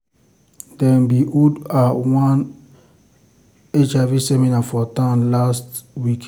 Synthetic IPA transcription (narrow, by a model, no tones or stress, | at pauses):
dɛ̃nbiʔudawãn | et͡ʃavisɛminafɔtãmlastwik